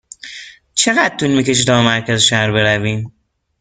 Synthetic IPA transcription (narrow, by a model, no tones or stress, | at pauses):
t͡ʃʰe̞ɣæd̪̚t̪uːnmiːce̞ʃit̪ɒːmæɾcæzeʃæhɾbe̞ɾæviːm